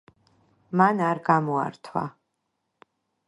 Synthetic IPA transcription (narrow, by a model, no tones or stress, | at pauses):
manarɡamua̰rt̪ʰwa̰